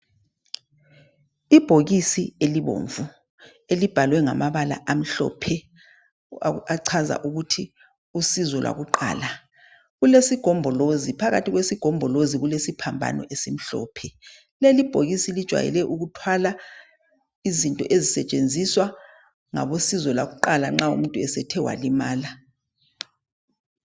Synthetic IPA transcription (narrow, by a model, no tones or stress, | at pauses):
ib̥ʱoɣisieliβo̰ɱvu | elib̥ʱalwɛŋa̰maβala̰ʔam̩ɬɔ̰ːpʰɛ | aǀʰaza̰ʔuɣutʰi | usizɔlwa̰ɣuǃa̰ːla | ɣulesiɡ̥ʱɔmbʱɔlozipʰaɣatʰiɣwesiɡ̥ʱɔmbʱɔloziɣulesipʰambʱa̰nɔ̰ʔesim̩ɬɔ̰ːpʰɛ | lelib̥ʱoɣisilid̥ʒ̥ʱwa̰jɛ̰lɛʔuɣutʰwala | izintʼɔʔezisɛt͡ʃʼend͡zʱiswa | ŋa̰βosizɔlwaɣuǃalaŋ͡ǁaṵmuntʼuɛsɛtʰɛwa̰limaːla